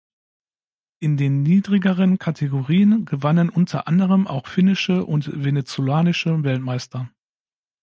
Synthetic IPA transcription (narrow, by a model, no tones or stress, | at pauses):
ʔɪndeːnːiːdʁɪɡəʁ̞ənkʰatʰeɡoʁiːənɡəvanənʔʊntʰɐ̰ʔandəʁəmʔa̰ʊxfɪnɪʃəʔʊntvenet͡solaːnɪʃəvɛltmaɪstɐ